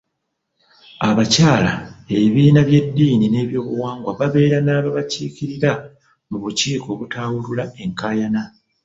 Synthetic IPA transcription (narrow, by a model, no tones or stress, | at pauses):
aβacaːlae̞βiːnaβje̞dːiːnine̞ːβjo̞ːβuwaːŋɡwaβaβe̞ːɾanaːβaβaciːciɾiɾa | muβuciːko̞ːβutʰaːwululae̞ŋkaːjana